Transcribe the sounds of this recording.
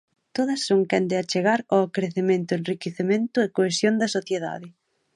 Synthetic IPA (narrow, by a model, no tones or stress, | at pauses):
t̪oðɐsːoŋkɛnd̪ɪat͡ʃeɣ̞aɾaakɾeθemẽnt̪ʊenrikeθemẽnt̪ʊekoesjond̪ɐsoθjeða̰ðɪ